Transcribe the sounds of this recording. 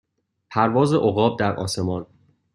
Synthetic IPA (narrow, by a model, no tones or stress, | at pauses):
pʰæɾvɒːze̞ʔoɣɒːb̚d̪æɾʔɒ̰ːse̞mɒːn